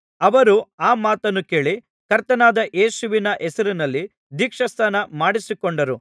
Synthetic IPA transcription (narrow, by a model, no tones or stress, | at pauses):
ɐʋɐɾuaːmaːt̪ɐnːuke̞ːɭi | kɐɾt̪ɐnaːd̪ɐʔeːʃuʋinɐʔɛsɐɾinɐlːi | d̪iːkʂɐst̪ʰaːnɐmaːɽisikoɳɖɐɾu